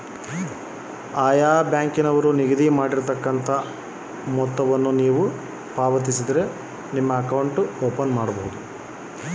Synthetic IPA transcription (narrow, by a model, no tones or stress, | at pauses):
aːjaːbjaːŋkinɐʋɐɾuniɡɐd̪imaːɽiɾt̪ɐkːɐnt̪ʰɐ | mɔt̪ːɐʋɐnːuniːʋu | paːʋɐt̪̬isid̪ɐɾe̞ | nimːɐːkɐwɳʈuoːpɐnmaːɽɐbɐɦud̪u